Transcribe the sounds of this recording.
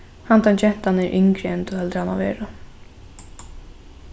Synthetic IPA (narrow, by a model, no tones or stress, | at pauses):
hant̪ant͡ʃɛn̥t̪anɛɾʔɪŋkɾɪɛnt̪ɔhɛlt̪ɾɪhana̰ʋɛ̰ːɾʊ